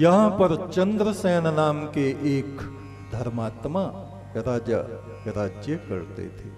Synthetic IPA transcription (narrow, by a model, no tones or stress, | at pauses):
jɐɦãpɐɾt͡ʃɐ̃nd̪ɾəsɛːnnaːmkeʔeːk | d̪ʱɐɾmaːt̪ma | ɾaːd͡ʒa̰ | kɾaːd͡ʒjəkɐ̰ɾt̪ḛt̪ʰeː